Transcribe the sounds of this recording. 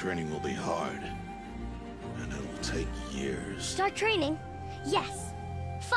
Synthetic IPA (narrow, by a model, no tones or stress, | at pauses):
tʰɹ̥ẽɪ̃ñɪ̃ŋwəlˠbihɑɹd | ɨ̃nɪtl̩ˠtʰeɪkjɪ̰ɹz̥stɑɹtʰɹ̥ẽɪ̃nɪ̃ŋ | jɛs | f